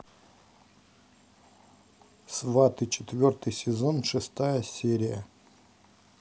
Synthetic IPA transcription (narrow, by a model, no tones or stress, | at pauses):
svat̪ɨt͡ɕɪt̪vʲort̪ɨjsʲɪzonʂɨst̪ajəsʲeɾʲɪjə̰